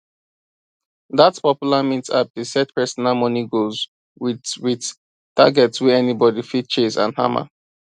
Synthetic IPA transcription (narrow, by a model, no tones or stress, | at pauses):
ðatspɔpjulamĩtsa̰p̚desɛt̚pɛsɔnalmɔniɡoz | wiwid | ta̰ɡɛtswɛɛnibɔdifit̚t͡ʃesã̰nha̰ma̰